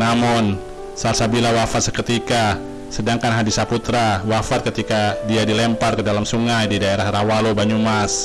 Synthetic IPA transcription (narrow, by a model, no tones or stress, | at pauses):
namɔn | salsabilawafat̪̚sə̥kət̪ika | sədaŋkanɦadisaput̪ɾawafat̪̚kət̪ikadiadilɛmparkədalamsuŋajdidaeɾahɾawalobaɲumas